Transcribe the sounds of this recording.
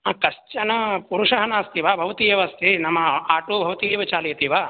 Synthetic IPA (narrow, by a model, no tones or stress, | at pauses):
akɐʃt͡ʃɐnɐpuɾuʂɐɦɐnaːst̪iʋaːbʱɐʋɐt̪ijɐʋɐst̪ʰinɐmːɐaːʈubʱɐʋɐt̪iːɐʋɐt͡ʃaːlɐjɐt̪iʋaː